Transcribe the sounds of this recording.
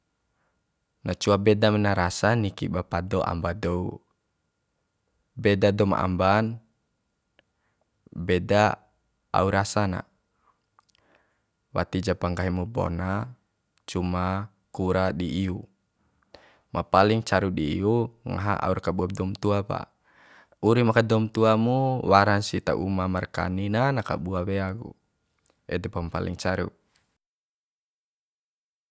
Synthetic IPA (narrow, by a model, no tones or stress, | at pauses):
nat͡ʃuabɛdamɛnaɾasanikḭbapadɔʔa̰mbadɔu | bɛdadɔma̰ʔa̰mban | bɛda | a̰uɾasana̰ | wa̰t̪id͡ʒapaŋɡaɦimubɔ̰na | t͡ʃuma | kuɾadiːu | mʔapaliŋt͡ʃaɾudiiuŋa̰ɦa̰ʔa̰urkabuadɔmt̪uapa̰ | uɾimakadɔmt̪uamuwaɾaŋsit̪a̰ʔṵmamarka̰ninanaka̰buawɛaɡṵ | ɛd̪ɛpampa̰lḭŋt͡ʃaɾṵ